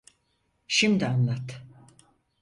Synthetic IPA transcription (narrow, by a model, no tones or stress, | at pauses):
ʃimd̪ianlˠat̪